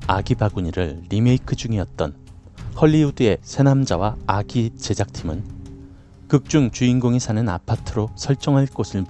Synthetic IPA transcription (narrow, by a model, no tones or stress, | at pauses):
aɡibaɡuɲiɾɯɭːime̞ikʰɯd͡ʑuŋiʌt̚t͈ʌnhʌɭːiudɯe̞sʰe̞namd͡ʑawaaɡit͡ɕe̞d͡ʑak̚tʰimɯn | kɯk̚t͡ɕ͈uŋt͡ɕuinɡoŋisʰanɯna̰pʰatʰɯɾosʰʌɭt͡ɕ͈ʌŋɦaɭk͈osʰɯɭm